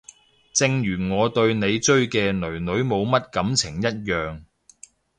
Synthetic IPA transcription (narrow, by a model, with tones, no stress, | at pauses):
t͡sɪ˧ŋjyː˨˩ŋɔː˨˧t̪ɵ˧ɥne˨˧jt͡ʃɵ˥ɥkɛː˧nɵ˨˩ɥnɵ˨˥ɥmo˨˧wmɐ˥t̚kɐ˨˥mt͡sʰɪ˨˩ŋjɐ˥t̚jœː˨ŋ